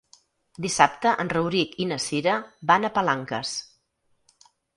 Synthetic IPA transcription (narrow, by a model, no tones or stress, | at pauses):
d̪isap̚t̪əʔənrəwɾikinəsiɾəbanəpəlaŋkə̰s